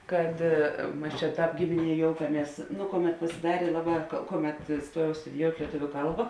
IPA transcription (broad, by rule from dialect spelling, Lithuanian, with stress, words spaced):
ˈkɐt ˈmɐs t͡ʃʲɛ ˈtɑːp ˈɡʲɪmʲɪˌnʲiɛ ˈjoːʊkɐˌmʲiɛs ˈnʊ ˈkoːˌmʲɛt pɐsʲɪˈdɑːrʲeː ˈlˠɑːˌbɑː ˈkoːˌmʲɛt ˈstuɔjɛʊ stʊdʲɪˈjoːʊtʲ lʲiɛˈtʊʋʲʊ ˈkɐlˠbɐ